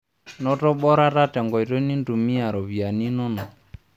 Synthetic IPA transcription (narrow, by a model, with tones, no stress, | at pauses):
nɔ˦tɔ˦ɓɔ˦ɾa˦ta˦tɛ˨ŋɡɔ˨i˨ɾɔ˦ni˦ndu˨mi˦a˨ɾɔ˨βi˨a˨ni˦nɔ˦nɔ˨